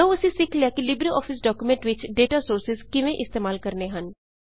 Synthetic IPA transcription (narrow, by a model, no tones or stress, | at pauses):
əʋʊsĩsɪkʰleakilɪbɾiɔ̰ːfʰɪsɖɔːkumẽɳʈʋɪt͡ʃɖeːʈasoːɾsɪzkɪʋẽʔɪst̪eːmaːlkəɾneɦən